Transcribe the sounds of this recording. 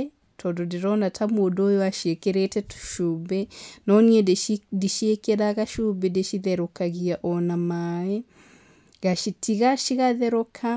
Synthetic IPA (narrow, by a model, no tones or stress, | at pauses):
tʰɔdɔdiɾɔnatamodoːjɔaʃiekɛɾetɛtu̥ʃubɛnɔniɛddiʃiekɛɾaɣaʃubɛdeʃiðɛɾɔkaɣiaʔɔnamaɛ | ɣaʃitiɣaʃiɣaðɛɾɔkʰa